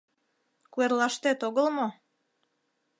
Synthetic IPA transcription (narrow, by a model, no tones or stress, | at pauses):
kuerlɑʃt̪et̪oɣəlmo